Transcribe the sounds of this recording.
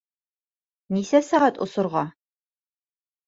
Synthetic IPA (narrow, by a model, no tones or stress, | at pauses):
nisɛsaʁɑtʼʊ̰sʊrʁɑ